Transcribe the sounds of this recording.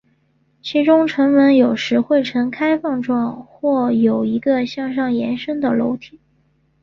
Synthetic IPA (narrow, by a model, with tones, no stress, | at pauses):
t͡ɕʰi˧˥ʈ͡ʂʊ˥ŋʈ͡ʂʰɤ˧˥ŋwə˧˥njo˨˩ʊʂɻ̩˧˥xwe˥˩ɪʈ͡ʂʰɤ˧˥ŋkʰa˥ɪfɑ˥˧ŋʈ͡ʂwɑ˥˧ŋxwɔ˥˩jo˨˩ʊi˧˥ɡə˧ɕjɑ˥˧ŋʂɑ˥˩ŋjɛ˧˥nʂə˥ŋd̪ə˨lo̰˧˥ʊt̪ʰi˨˩˦